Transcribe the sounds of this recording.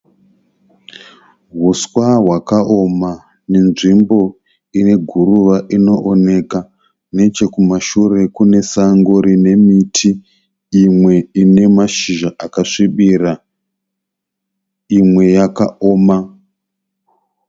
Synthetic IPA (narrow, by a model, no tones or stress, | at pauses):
ɦuswaɦwakaʔo̞ma | ne̞nʐimbo̞ | ine̞ɡʱuruʋaʔino̞ʔone̞ka | ne̞t͡ʃe̞kumaʃure̞kune̞saŋɡoɾine̞mitʰiː | mwe̞ine̞maʃiʒaʔakaʂiɓira | imwe̞jakaoːma